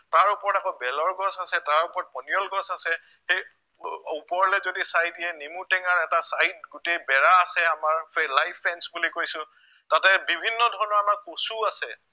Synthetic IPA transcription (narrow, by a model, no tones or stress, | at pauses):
taɹupɔɹɔtakɔbɛlɔɹɡɔsasɛtaɹupɔɹɔt̚bɔnijɔlɡɔsasɛ | xej | upɔɹlɛzodisajtiɛnimutɛŋaɹɛtasajt̚ɡʊtejbɛɹaːsɛamaɹɛlajpʰːɛnsbulikojsʊ̃ | tatɛbibʱinːɔdʱɔɹɔnɔɹamaɹkosuasɛ